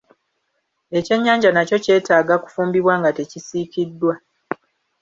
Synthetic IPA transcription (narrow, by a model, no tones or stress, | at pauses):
e̞ce̞ɲːaːɲɟanaco̞ce̞ːtaːɡaku̥fuːmbiβwaːŋɡate̞cisiːkidːwa